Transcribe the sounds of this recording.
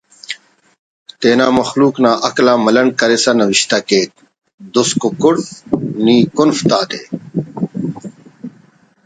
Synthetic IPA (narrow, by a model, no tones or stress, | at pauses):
t̪eːnaːmɐxluːknaːʔɐklaːmɐlɐɳkɐɾesanɐʋiɕt̪akeːt̪̚ | d̪uskokʊɽniːkunft̪aːd̪eː